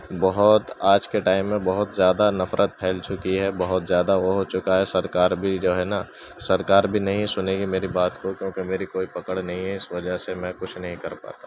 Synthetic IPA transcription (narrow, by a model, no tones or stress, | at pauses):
bɔɦʊt̪aːd͡ʒkeʈaːɪmːẽbɐɦʊt̪zjaːd̪anɐfɾʔət̪̚pʰɛːlt͡ʃʊkiɦɛbɐɦʊt̪zjaːd̪aʋoɦot͡ʃʊkaɦɛsɐɾkaːɾbʱid͡ʒoːɦɛna | sɐɾkaːɾbʱinɐɦĩsʊneːɡimeːɾibaːt̪kokjõːkemeːɾikoːipɐkəɽnɐɦĩɦɛɪsʋɐd͡ʒəɦsemɛ̃kʊt͡ʃʰnɐɦĩkɐɾpa̰ːt̪aː